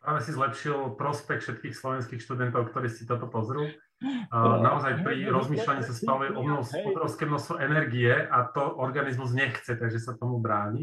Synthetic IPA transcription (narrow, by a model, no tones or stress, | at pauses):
palɛsizlɛpʃilpɾɔspɛxfʃɛt̪kiːxslɔʋɛnskiːxʃt̪ud̪ɛnt̪ɔʊkt̪ɔɾiːsit̪ɔt̪ɔpɔzɾu | naɔzajppɾiɾɔzmiːʃlaɲiːsasp̪alujɛʔɔbnɔʊɔbɾɔʊskɛːmnɔst̪ʋɔʔɛnɛɾɡiɛat̪ɔʔɔɾɡanizmuzɲɛxt͡sɛt̪aɡʒɛsat̪ɔmubɾaːɲi